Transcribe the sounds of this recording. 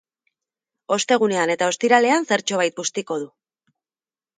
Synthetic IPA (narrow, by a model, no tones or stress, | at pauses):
o̞st̪e̞ɣ̞une̞ane̞t̪ao̞st̪iɾale̞anse̞ɾt͡ʃo̞β̞ajt̪̚pust̪iko̞ð̞u